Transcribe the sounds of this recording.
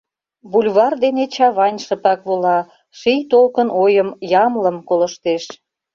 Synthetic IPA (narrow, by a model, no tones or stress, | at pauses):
βulʲβɑrd̪enet͡ɕɑβɑnʲʃə̆pɑkβolɑ | ʃijt̪olkənojəmjɑmləmkolə̆ʃt̪eʃ